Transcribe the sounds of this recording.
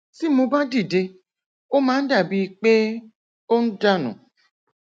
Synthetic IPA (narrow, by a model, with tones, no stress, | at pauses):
si˦mũ˧ba˦di˦˨de˧ | o˦mãː˨˦n̩˦da˦˨bi˨˧k͡pe˦ | o˦n̩˦da˦˨nṵ̃˨